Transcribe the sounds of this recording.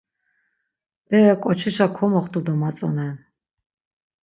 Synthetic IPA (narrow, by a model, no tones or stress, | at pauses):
ɛɛkʼɔt͡ʃʰiʃakʰɔmɔχt̪ʼud̪ɔmat͡sʼɔ̰nɛ